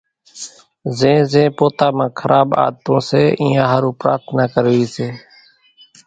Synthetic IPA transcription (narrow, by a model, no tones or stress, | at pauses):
zẽːzẽːpoːt̪aːmãːkʰəɾʔaːba̰ːd̪̚t̪õːseːʔĩːãːɦəɾũːpɾa̰ːɾt̪ʰnaːkəɾʋiːseː